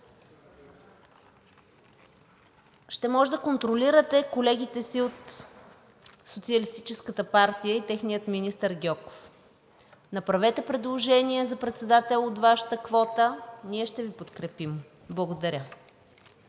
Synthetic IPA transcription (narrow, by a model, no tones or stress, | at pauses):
ʃt̪ɛmɔʒɛd̪əkont̪ɾoliɾət̪ɛkolɛɡ̟it̪ɛsiot̪ | sot̪siəlist̪it͡ʃɛskət̪əpaɾt̪ijəit̪ɛxnijət̪minist̪əɾɡʲɔko̥f | nɐpɾɐvɛt̪ɛpɾɛd̪lˠoʒɛniɛzɐpɾɛt̪sɛd̪at̪ɛlˠot̪vaʃə̥t̪əkvɔt̪əniɛʃt̪ɛvipot̪kɾɛpim | blˠəɡod̪ɐɾʲə